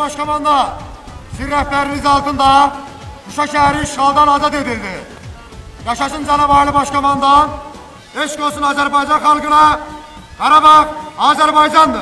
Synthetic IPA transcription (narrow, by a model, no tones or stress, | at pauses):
ɑʃkʰɑmɑnd̪ɑ | siɾːæhpæɾinizɑlˠt̪ʰɯnd̪ɑ | kuʃɑʃæɦæɾiʃʁɑlˠd̪ɑnɑzɑt̪e̞d̪ild̪i | jɑʃɑʃɯnd͡ʒænɑbɑjlˠɯbɑʃkɑmɑnd̪ɑn | eʃɡolˠsunɑːzæɾbɑjd͡ʒɑnχɑlˠɡɯnɑ | ɡ̥ɑɾɑbɑʁɑːzæɾbɑjd͡ʒɑnd̪ɯ